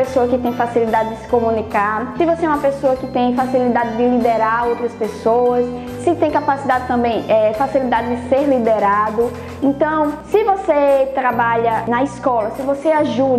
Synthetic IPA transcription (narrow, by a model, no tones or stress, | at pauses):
esoɐkɪt̪ẽj̃fasilid̪ad̪ɪd̪ɪsɪ̥komũnikasɪvoseɛũmɐpesoɐkɪt̪ẽj̃fasilid̪ad̪ɪd̪ɪlid̪eɾaɾowt̪ɾɐspesowɐsː | ɪt̪ẽj̃kapasid̪ad̪ɪt̪ɐ̃mbẽj̃ɛfasilid̪ad̪ɪd̪ɪseɾlid̪eɾad̪ʊ | ẽt̪ɐ̃w̃sɪvoset̪ɾabaʎɐnɐiskɔlɐsɪvoseaʒu